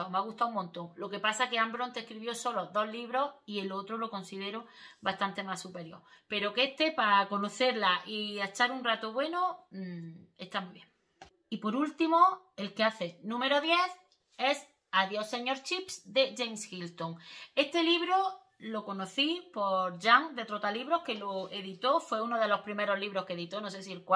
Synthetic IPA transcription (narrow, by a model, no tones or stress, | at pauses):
ameaɣust̪aumõnt̪o̞ŋlo̞kepasake̞ambɾont̪ehkɾiβjo̞so̞loðo̞ɦliβ̞ɾo̞ie̞lot̪ɾolo̞ko̞nsiðe̞ɾoβast̪ant̪e̞masːupe̞ɾjo̞̰ɾpe̞ɾo̞kest̪e̞pako̞no̞θe̞ɾlaʔiet͡ʃaɾunrat̪oβwe̞no | e̞st̪amuiβje̞ŋ | ipo̞ɾult̪imo | e̞lkeaθe̞nũme̞ɾo̞ðje̞θ | e̞s | aðjoseɲo̞ɾt͡ʃipsd̪e̞ʝejmsxilt̪oŋe̞st̪e̞liβ̞ɾo | lo̞ko̞noθipo̞ɾʝaŋd̪et̪ɾot̪aliβɾo̞hke̞loeðit̪o̞fwe̞unoðe̞lo̞hpɾime̞ɾo̞ɦliβɾo̞hkeðit̪ono̞s̬es̬ielkwa